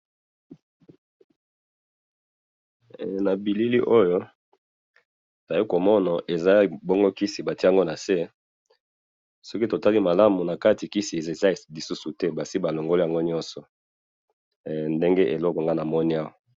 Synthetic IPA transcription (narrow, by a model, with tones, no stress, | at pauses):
na˨bi˨li˦li˦ʔo˦jo˦ | ta˨ji˦ko˨mɔ˦na˨ʔe˨za˦bɔ˦ŋɡo˦ki˦si˨ba˨ti˦a˨ŋɡo˦na˨se˦ | sɔ˦ki˦to˨ta˦li˦ma˨la˦mu˨na˨ka˦ti˨ki˦si˨e˨ze˨za˦˨li˨su˦su˨tɛ˦ba˨si˦ba˨lo˨ŋɡo˦li˦a˨ŋɡo˦ɲɔ˦nsɔ˨ | nde˦ŋɡe˦ʔe˨lɔ˦kɔ˨ŋɡa˦na˨mɔ˦ni˦a˦wa˨